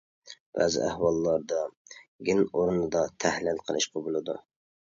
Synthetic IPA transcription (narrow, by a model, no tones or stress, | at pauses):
bæ̰zɪ̰æ̰hwɑlˠːɑɾd̪ɑɡʲinoɾunɨd̪ɑt̪ʰæhlɪlqʰə̰lˠɨ̰ʃqʰɑbulˠɨd̪ṵ